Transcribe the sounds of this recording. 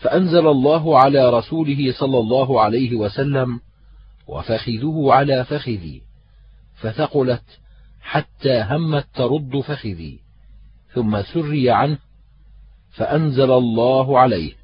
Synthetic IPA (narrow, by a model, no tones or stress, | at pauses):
faʔanzalalˤːɑːɦʊʕalaːɾˤɑsuːlɪɦɪsˤɑlːɑlˤːɑːɦʊʕalajɦɪwasalːam | wa̰faxɪðʊhʊʕalaːfaxɪðḭː | faθɑqʊlat̪ | ħat̪ːaːɦamːat̪ːɑɾˤʊd̪ˤːfaxɪðḭː | θʊmːasʊrːɪjaʕanh | faʔanzalalˤːɑːɦʊʕalajh